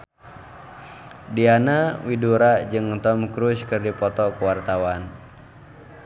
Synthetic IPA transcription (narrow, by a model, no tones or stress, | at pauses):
dianawiduɾad͡ʒɨŋt̪ɔmkɾuskɨrdipɔt̪ɔkuwart̪awan